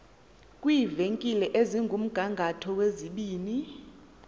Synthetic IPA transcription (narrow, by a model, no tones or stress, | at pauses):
kʼwiːveŋkʼilɛʔeziŋɡʱum̩ɡ̥ʱaŋɡʱatʰɔweziɓiːni